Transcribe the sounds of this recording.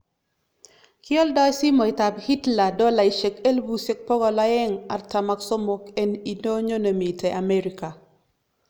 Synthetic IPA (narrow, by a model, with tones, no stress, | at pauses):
kjɔ˦ldɔ˦jsi˦mɔ˨i˨t̪a˨bhi˦tla˨dɔ˦la˨i˨ʃe˨ke˦lbu˦se˦k̚pɔ˦ɡɔ˨la˦ɛ˦ŋa˨rta˨ma˨kso˦mo˨˦ke˦ni˨no˦ɲo˦ne˨mi˨tʰe˨ʔa˨me˦ɾika˨